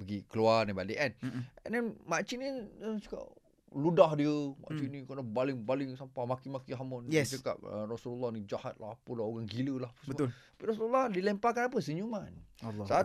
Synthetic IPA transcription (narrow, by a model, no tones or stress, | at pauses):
bəɡikəlualnibadəʔɛnɛ̰̃ndɛnmaʔt͡ʃinit͡ʃə̥ka̰ʔ̚ | ludahdiəma̰ʔt͡ʃinĩkənabalɪŋbalɪŋsampamakimakiɦamɔnjɛst͡ʃəka̰p̚ə̰rasululːɔhnid͡ʒahat̪̚lahpulaoɣaŋɡiləlahpsbəʊlt̪ḁpiɾasululːɔhdilɛmpakanap̬əs̬əɲumanlːsa